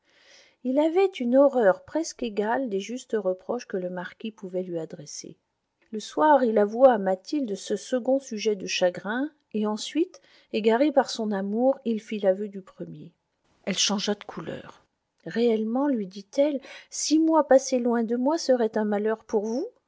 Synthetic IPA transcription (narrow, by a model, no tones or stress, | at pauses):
ilavɛt̪ynɔʁœʁpχɛskeɡald̪eʒyst̪əʁəpχɔʃkələmaʁkʲipuvɛlɥiad̪ʁesḛ | ləswaʁilavuaːmat̪ild̪əsəsəɡɔ̃syʒɛd̪əʃaɡʁɛ̃ | eɑ̃sɥit̪ | eɡaʁepaʁsɔ̃namuʁilfilavød̪ypχəmje | ɛlʃɑ̃ʒad̪əkʰulœ̰ːʁ | ʁeɛlmɑ̃lɥid̪it̪ɛlsimwapaselwɛ̃d̪əmwasəʁɛt̪ɛ̃malœʁpuʁvu